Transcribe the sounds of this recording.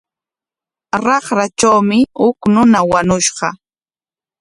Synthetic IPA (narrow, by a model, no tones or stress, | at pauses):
ɾɑχɾat͡ʃawmɪhʊknʊnawaɲʊʃɢɑ